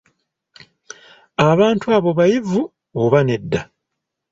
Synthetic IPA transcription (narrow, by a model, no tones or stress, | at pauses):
aβaːntuaːβo̞βajivu | oβane̞dːa